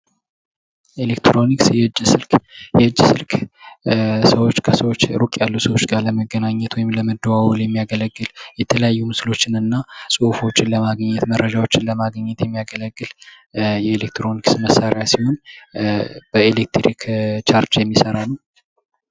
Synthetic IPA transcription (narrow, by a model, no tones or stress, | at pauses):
ʔelekt̪ɾoniksjɛd͡ʒsɨlkjɛɨd͡ʒːsɨlk | səwo̞t͡ʃːkʰəsəwot͡ʃːɾukʼjalːusəwot͡ʃːɡaləməɡːənaɲːɛt̪wɔjɪmləməd̪ːəwawɔljɛmːijaɡələɡːɨljɛt̪ʰələjajːumɨslo̞t͡ʃːɪnɨnːasʼufo̞t͡ʃːɪnləmaɡəɲːɛt̪mərːəd͡ʒawo̞t͡ʃːɪnləmaɡəɲːɛt̪jɛmːijaɡələɡːɨl | jɛelek̚t̪ɾo̞niksməsːaɾejasiho̞n | b̥əelek̚t̪ɾḭkt͡ʃaɾt͡ʃjɛmːisəɾanəw